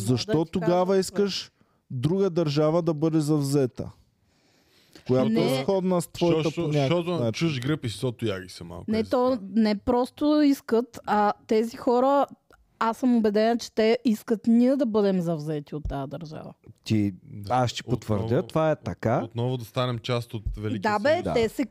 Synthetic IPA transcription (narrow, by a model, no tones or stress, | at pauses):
zɐʃt̪ɔt̪oɡavəiskəʃ | d̪ɾuɡəd̪ɐɾʒavəd̪ɐbɤd̪ɛzɐvzɛt̪ə̰ | kojat̪nɛsxɔd̪nəst̪vɔjɐəonʲak̪at͡ʃuʒɡɾəpissɔt̪ʊjaɡisɛma̰lˠknɛt̪ɔnɛpɾɔst̪ʊiskət̪at̪ɛzixɔɾə | asəmobɛd̪ɛnɐt͡ʃɛ̥t̪ɛiskət̪niəd̪ɐbɤd̪ɛmzɐvzɛt̪iot̪ːaəd̪ɐɾʒa̰və̰t̪iaʃt̪i̥pot̪və̰ɾʲət̪ovaɛt̪ɐkaot̪nɔvʊd̪ɐst̪anɛmt͡ʃast̪ot̪vɛliɡ̪abɛd̪at̪ɛsɛ